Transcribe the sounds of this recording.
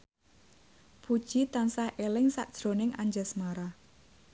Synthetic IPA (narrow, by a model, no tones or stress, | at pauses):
pud̥ʒ̥it̪ansahʔelɪŋsaʔd̥ʒ̥ɾo̤nɪŋaɲd͡ʒəsmaɾa